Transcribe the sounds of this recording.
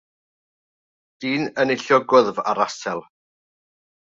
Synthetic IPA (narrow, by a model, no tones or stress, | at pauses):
d̥iːnənɪɬjɔɡʊðva̰ɾasɛlˠ